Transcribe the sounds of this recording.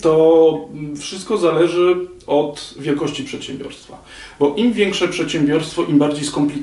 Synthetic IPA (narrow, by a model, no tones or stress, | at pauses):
t̪ɔ | fʂɘst̪̚kɔzalɛʐɘɔt̪vʲjɛlkɔɕt͡ɕipʂɛt̪ɕɛmbʲjɔ̰ɾst̪fa | bɔʔimvʲjɛŋkʂɛpʂɛt̪ɕɛmbʲjɔɾst̪fɔʔimbaɾd͡ʑejskɔmplʲi